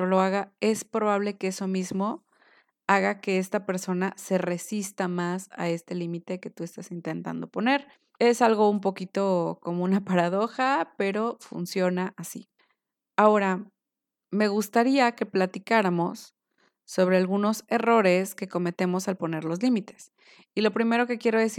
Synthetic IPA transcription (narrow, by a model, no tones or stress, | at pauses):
olo̞aɣae̞spɾo̞β̞aβ̞le̞keeso̞mizmo̞ | aɣake̞e̞st̪ape̞ɾso̞nase̞re̞sist̪amasa̰e̞st̪e̞limit̪e̞ke̞t̪ue̞st̪asint̪e̞nt̪a̰nd̪o̞po̞ne̞ɾ | e̞salɣo̞umpo̞kit̪o̞ko̞mo̞unapaɾaðo̞xape̞ɾo̞fṵnsjo̞naʔasḭ | ao̞ɾa | me̞ɣust̪aɾiake̞plat̪ikaɾamo̞sː | o̞β̞ɾe̞alɣuno̞se̞ro̞ɾe̞ske̞ko̞me̞t̪e̞mo̞salpo̞ne̞ɾlozlimit̪e̞̥s | ilo̞pɾime̞ɾo̞ke̞kje̞ɾo̞ðe̞si